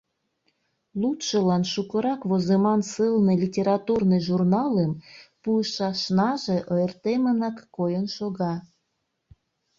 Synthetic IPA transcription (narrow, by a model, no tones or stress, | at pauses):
lut̪ʃəlɑnʃukə̆ɾɑkβozemɑnsɨlnɤlʲitʲeɾɑt̪urnejʒurnɑlempuəʃɑʃnɑʒeʔəərt̪emənɑkːojənʃoɣɑ